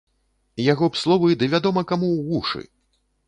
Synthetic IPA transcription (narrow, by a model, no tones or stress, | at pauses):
jaɣɔpslˠɔvɐjd̪ɨvʲad̪ɔmɐkamuɣuʂɨ̰